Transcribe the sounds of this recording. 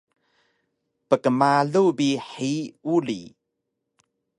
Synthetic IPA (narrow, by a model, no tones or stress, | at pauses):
pəkəmaɮubiħiulḭ